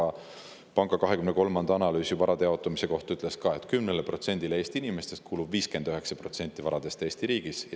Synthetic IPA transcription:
ɑ | pɑŋɡ̥ɑkɑɦekymneko̞lmɑnd̪̥ɑɑnɑlyːsjuvɑɾʔɑd̪eɑo̞t̪ːˑɑmise̞ko̞ht̪yt̪ːˑleskɑe̞t̪ːˑkymnelepro̞t̪se̞nʲd̪̥ilee̞ːst̪iinime̞st̪e̞st̪kuːlubviːske̞nd̪̥øɦe̞ksɑpro̞t̪se̞nʲt̪ːˑivɑɾɑd̪̥e̞st̪e̞ːst̪iɾiːɡ̥isj

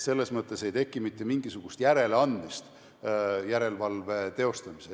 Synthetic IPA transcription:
se̞lːesmɤt̪ˑːe̞se̞jt̪e̞kːˑimit̪ːemiŋɡisuɡ̥ust̪jæɾe̞leɑnd̪̥mist̪ | jæɾe̞lvɑlve̞t̪e̞o̞st̪ɑmise

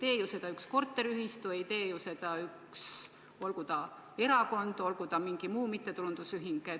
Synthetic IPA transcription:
t̪e̞ːjuse̞d̪ɑyksko̞rt̪ːˑe̞ɾiyɦist̪uejt̪e̞ːjuse̞d̪ɑyks | o̞lɡud̪̥ɑ | e̞ɾɑko̞nd̪̥o̞lɡ̥ud̪ɑmiŋɡ̥imuːmit̪ːe̞t̪ulund̪̥usyɦiŋɡ̥e

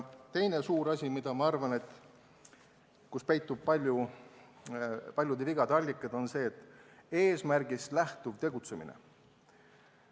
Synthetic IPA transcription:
t̪e̞jne̞suːɾɑsʲimid̪̥ɑmɑɑrvɑne̞t̪ːˑ | kuspe̞jt̪ːˑub̥̚pɑlʲju | pɑlʲjud̪eviɡ̥ɑd̪ɑlʲːikːˑɑd̪̥o̞nse̞ːt̪ːˑe̞ːsmærɡislæht̪uvt̪e̞ɡ̥ut̪se̞mḭnḛ

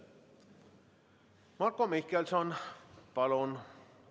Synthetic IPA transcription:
mɑrkːomihkelsonpɑlon

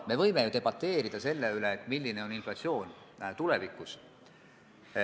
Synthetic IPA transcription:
me̞vɤ̞jme̞jut̪e̞b̥ɑt̪ːˑe̞ːɾid̪̥ɑse̞lːe̞yleːt̪ːˑmilʲːine̞o̞ninflɑt̪sio̞ːn | t̪ulevikːˑus

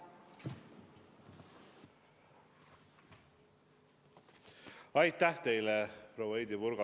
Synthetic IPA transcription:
ɑjt̪ːæht̪ejlɛpɾowejd̪ivuɾɡɑ

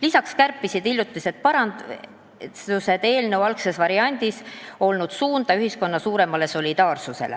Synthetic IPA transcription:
lisɑkskærpːisid̪ilːjut̪ˑlise̞t̪̚pɑɾɑn | use̞d̪̥e̞ːlnewɑlkse̞svɑɾiɑnʲd̪̥iso̞lnud̪̥suːnd̪ɑyɦisko̞nːɑsuːɾe̞mɑle̞so̞lʲid̪̥ɑːrsuse̞̰lḛ

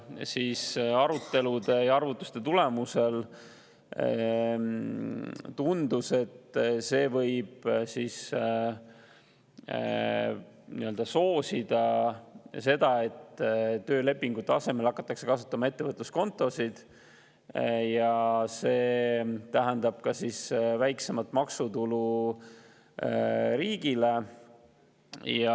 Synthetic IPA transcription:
siːsɑɾut̪ːe̞lud̪e̞jɑɑrvut̪ˑːu̥st̪e̞t̪ule̞muse̞l | t̪und̪use̞t̪ːse̞ːvɤ̞jb̥siːs | nḭø̞ld̪̥ɑso̞ːsid̪̥ɑ | se̞d̪̥ɑe̞t̪ːt̪ø̞ːle̞pˑːiŋɡ̥ut̪ːˑeɑse̞me̞lɑkːˑɑt̪ːˑɑkse̞kɑsu̥t̪ːˑɑmɑe̞t̪ːe̞vɤt̪lusko̞nt̪ˑo̞sid̪̥ | jɑse̞ːt̪æɦænd̪ɑb̥̚kɑsisvæjkse̞mɑt̪ːˑmɑksut̪ulu | ɾiːɡ̥ile | jɑ

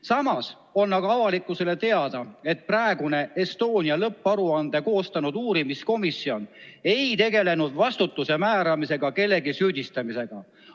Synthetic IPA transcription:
sɑmɑs | o̞nːɑɡɑɑvɑlikːˑuse̞le̞t̪e̞ɑd̪̥ɑe̞t̪̚prɑe̞ɡune̞est̪o̞ːnʲiɑlɤpːˑɑɾuɑnd̪̥eko̞ːst̪ɑnud̪̥uːɾimisko̞misːio̞ne̞jt̪e̞ɡe̞le̞nud̪̥vɑst̪ut̪ːˑuse̞mæːɾɑmise̞ɡ̥ɑke̞lːe̞ɡisyːd̪̥ʲist̪ɑmise̞ɡ̥ɑ

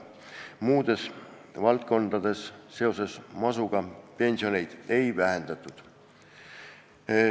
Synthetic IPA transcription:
muːd̪̥e̞s | vɑlt̪̚ko̞nd̪̥ɑd̪̥e̞sːe̞o̞se̞smɑsuɡ̥ɑpe̞nʲsio̞ne̞jd̪̥e̞jvæɦend̪̥ɑt̪ːˑud̪̥

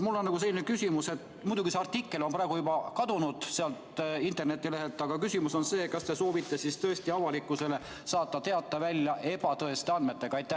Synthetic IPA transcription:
mulːo̞nːɑɡus̬elːinekysʲimuse̞t̪ | mujd̪uɡiseɑrt̪ikːe̞lo̞nprɑeɡ̥ujubɑkɑd̪unud̪̥seɑlt̪int̪ːˑe̞rne̞t̪ːileɦelt̪ːˑɑɡ̥ɑkysimuso̞nse̞ːtkɑst̪e̞so̞ːvit̪ːe̞sist̪ɤ̞est̪iɑvɑlikːˑuse̞le̞ | sɑːt̪ːˑɑt̪e̞ɑt̪ːˑɑvælʲjɑʔe̞b̥ɑt̪ɤe̞st̪e̞ɑnme̞t̪ːe̞ɡ̥ɑɑjt̪ːˑæ

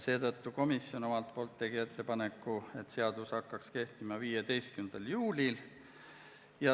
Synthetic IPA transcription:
se̞ːt̪ɤt̪ːuko̞misjo̞no̞mɑlt̪̚po̞ːlt̪ːe̞ɡ̥ie̞t̪ːe̞pɑne̞kːˑue̞t̪ːˑse̞ɑd̪̥ushɑkːɑkske̞ht̪imɑviːjed̪e̞jst̪̚kynd̪̥ɑljuːlʲil | jɑ

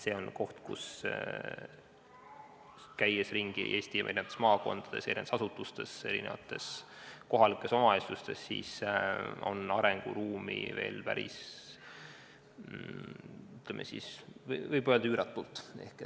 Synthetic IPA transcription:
se̞ːo̞nko̞ht̪kṵs | kæjesriŋɡ̥ḭʔe̞ːst̪iɑʔenineɑt̪ːesmɑːko̞nd̪̥ɑd̪̥e̞se̞ɾind̪sɑsut̪ːˑust̪e̞se̞ɾine̞vɑ̰t̪ːˑe̞sko̞ɦɑlikˑːe̞so̞mɑesust̪e̞sːḭːs | o̞̰nɑɾe̞ŋɡ̥ṵɾuːmḭve̞ːlpæ̰ɾḭs | yt̪lemʔesḭsvvɤjb̥øːld̪ɑyːɾɑt̪ːˑult̪ːˑe̞̰hke

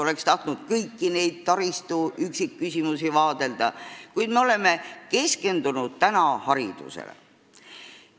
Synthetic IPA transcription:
o̞le̞kst̪ɑht̪nud̪̥kɤjkːine̞jd̪̥̚t̪ɑɾist̪uyksikːysʲimusivɑːd̪̥e̞ld̪̥ɑkujd̪me̞o̞le̞me̞ke̞ske̞nd̪̥unud̪̥̚t̪ænɑhɑɾid̪̥ṵsḛlḛ

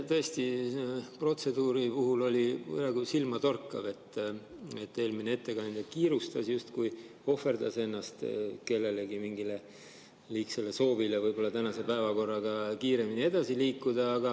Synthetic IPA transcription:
t̪ɤ̞est̪ipro̞t̪se̞d̪uːɾipuɦulo̞lʲḭɑɡusilmɑt̪o̞rkːɑve̞t̪ː | e̞t̪ːe̞ːlmineet̪ːe̞kɑnnd̪ekiːɾust̪ɑsjust̪kuj | o̞fe̞rd̪ɑse̞nːɑst̪ke̞lːe̞le̞ɡimiŋɡile̞ | liːkselːe̞so̞ːvilevɯjb̥o̞lːɑt̪ænɑse̞pæevɑko̞rːɑɡ̥ɑkiːɾe̞minie̞d̪̥ɑsiliːkːˑud̪̥ɑːɡ̥ɑ

